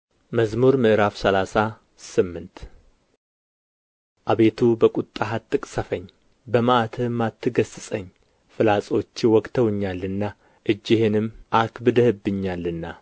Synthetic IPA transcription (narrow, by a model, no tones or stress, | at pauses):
məzmuɾmɨʔɨɾafsəlasa | sɨmːɨnt̪ | ʔaβe̞t̪ʰubəkʼut̪ʼːaɦat̪ʼːɨkʼsəfəɲː | bəmaʔat̪ʰɨmːat̪ʰːɨɡəsɨsʼəɲː | fɨlasʼo̞t͡ʃːwɔkʼt̪ʰəwɨɲːalːɨnːa | ʔɨd͡ʒːɪhenɨmʔakbɨd̪əhɨbːɨɲːalːɨnːa